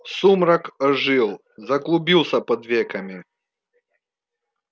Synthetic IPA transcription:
sumɾɐkʐɨlˠ | zɐɡlˠʊbʲilˠsʲɐpɐd̪vʲekɐmʲɪ

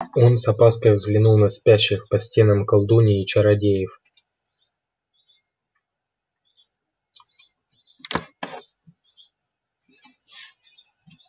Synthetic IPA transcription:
o̞nsɐpaskəjvzɡlʲɪnulˠnɐsʲpʲæɕːɪxpɐsʲtʲenɐmkɐlˠd̪unʲɪːt͡ɕɐɾɐdʲejɪf

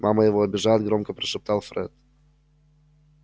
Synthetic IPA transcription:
mʔaməjɪvoɐbʲɪʐajɪd̪ɡɾomkəpɾʲɪʂɨp̚t̪ɑlˠfɾɛ̰t̪̚

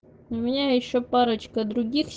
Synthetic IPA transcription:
ʊmʲɪnʲajɪɕːopaɾət͡ɕkəd̪ɾʊɡʲixsʲ

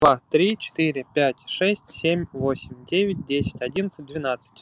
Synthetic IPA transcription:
vat̪ɾʲit͡ɕɪ̥t̪iɾʲɪpʲætʲʂɛsʲtʲsʲemʲvo̞sʲɪmʲdʲevʲɪt̚ʲdʲesʲɪ̥tʲɐdʲinət̪sɨ̥t̚ʲd̪vʲɪnat̪sə̥tʲ

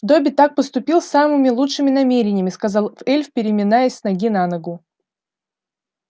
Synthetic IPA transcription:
d̪obʲɪt̪ak̚pəst̪ʊpʲilˠsːamɨmʲɪlˠutʂɨmʲɪnɐmʲeɾʲɪnʲɪjəmʲɪskɐzalˠfɛlʲfpʲɪɾʲɪmʲɪnajɪsʲsnɐɡʲinanəɡʊ

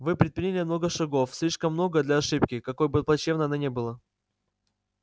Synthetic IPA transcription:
vɨpɾʲɪt̪̚pɾʲinʲɪlʲɪmno̞ɡəʂɐɡo̞fsʲlʲiʂkəmːno̞ɡəd̪lʲɐɐʂɨp̚kʲɪkɐko̞jbɨplˠɐt͡ɕevnəɐnanʲebɨlˠə

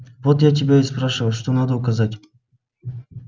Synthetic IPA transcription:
vot̪jatʲɪbʲaispɾaʂɨvəlˠʂt̪onad̪əʊkɐzatʲ

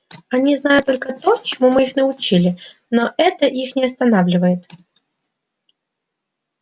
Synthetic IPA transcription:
ɐnʲiznajʊt̪ːo̞lʲkət̪o̞t͡ɕɪmumɨixnəʊt͡ɕilʲɪ | noʔɛt̪əʔixnʲɪɐst̪ɐnavlʲɪvəjɪt̪

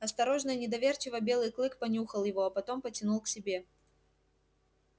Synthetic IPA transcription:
ɐst̪ɐɾo̞ʐnɨjnʲɪd̪ɐvʲe̞rt͡ɕɪvəbʲe̞lˠɨjklˠɨkpɐnʲuxəlˠjɪvo̞ɐpɐt̪o̞mpətʲɪnulˠksʲɪbʲe̞

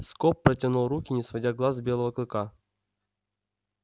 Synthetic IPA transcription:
skɔpːɾətʲɪnulˠrukʲɪnʲɪsvɐdʲaɡlˠazbʲelˠəvəklˠɨka

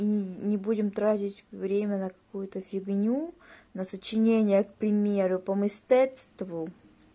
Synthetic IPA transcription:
inʲɪbudʲɪmt̪ɾatʲɪtʲvɾʲemʲənəkɐ̥kujʊt̪əfʲɪɡnʲunəsət͡ɕɪnʲenʲɪjək̚pɾʲɪmʲeɾʊpəmɨsʲt̪ɛt̪st̪vʊ

